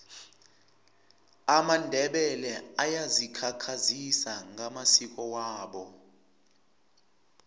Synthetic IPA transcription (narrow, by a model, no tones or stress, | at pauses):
amandʱɛɓɛlɛajazikʰakʰazisaŋamasik̬ɔwaːɓɔ